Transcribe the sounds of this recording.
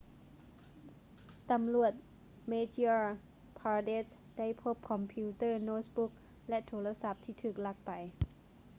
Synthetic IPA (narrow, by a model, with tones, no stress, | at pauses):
t̪a˧˦mlu˨˩ət̪̚ | meː˧t͡ɕː | pʰaː˧de˦˥t̪̚ | da˥˩jpʰo˦˥p̚kʰɔ˧mpʰiː˧˥t̪ɤː˥˩noː˧˥bu˦˥k̚ | lɛ˧˥t̪ʰoː˧˦˥la˧sa˧˩p̚t̪ʰiː˧˩t̪ʰɯː˨˩k̚la˧˩k̚pa˨˩j